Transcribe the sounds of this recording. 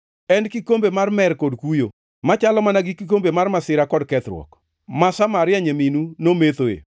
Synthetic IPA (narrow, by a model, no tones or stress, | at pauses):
ɛnkikombemarmɛɾkodkujo | mat͡ʃalɔmanaɡɪkik̬ombemarmasɪɾakɔdkɛt̪ɾwɔ̰k | masamaɾɪaɲeminunomet̪oḛ